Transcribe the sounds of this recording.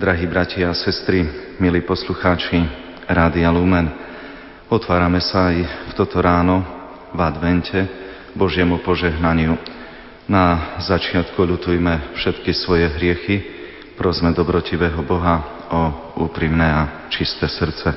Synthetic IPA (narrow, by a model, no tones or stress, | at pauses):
d̪ɾaɦiːbɾacaasɛst̪ɾi | miliːpɔsluxaːt͡ʃi | ɾaːd̪ialuːmɛn | ɔt̪ʋaːɾamɛsaːjft̪ɔt̪ɔɾaːnɔ | vad̪ʋɛncʰɛ | bɔʒɪɛmupɔʒɛɦnaɲɪu | nazat͡ʃɪat̪kuʎut̪ujmɛfʃɛt̪kisʋɔjɛɦɾɪɛxi | pɾɔzmɛd̪ɔbɾɔciʋɛːɦɔbɔɦa | ɔ | uːpɾimnɛa | t͡ʃist̪ɛsr̩t͡sɛ